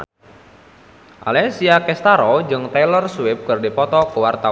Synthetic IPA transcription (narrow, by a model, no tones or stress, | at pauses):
ʔa̰lɛsiakɛst̪aɾɔd͡ʒɨŋt̪ɛlɔrswɪp̚kɨrdipɔt̪ɔkəwart̪a